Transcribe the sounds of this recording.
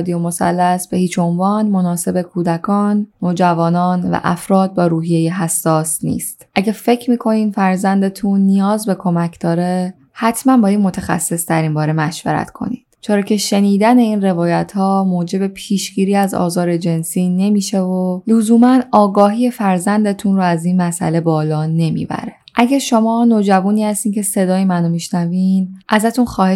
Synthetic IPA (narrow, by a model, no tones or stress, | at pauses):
d̪ijomo̞sæ̰lːæsb̥e̞hiːt͡ʃʰo̞nvɒːnmo̞nɒːse̞be̞kʰuːd̪ækʰɒːnːoːd͡ʒævɒːnɒːnvæ̰ʔæfɾɒːd̪̚bɒːɾuːɦije̞jeɦæsːɒːsnḭːst̪ʔæɟefe̞cʰmiːkʰo̞niːnfæɾzænd̪et̪ʰunːijɒːzbe̞kʰo̞mæcʰd̪̥ɒːɾe | hæt̪ʰmænbɒːjid̪mo̞t̪ʰexæ̰sːesd̪æɾinbɒːɾe̞mæʃvḛɾæ̰t̪kʰo̞̰nḭːdd̥t͡ʃʰeɾɒːcʰe̞ʃe̞niːd̪æne̞iːnre̞vɒːjæt̪ʰhɒːmoːd͡ʒe̞be̞pʰiːʃɟiːɾiːæzɒ̰ːzɒːɾe̞d͡ʒe̞nsiːne̞miːʃevolozuːmænɒːɡɒːɦiːjefæɾzænd̪et̪ʰunɾoæziːnmæsʔæ̰le̞bɒːlɒːne̞mḭbæ̰ɾe̥ʔæɟæɾʃo̞mɒːnod͡ʒævuːniːhæst̪iːncʰe̞se̞d̪ɒːjemænomiʃnævinʔæzæt̪ʰunxɒːhe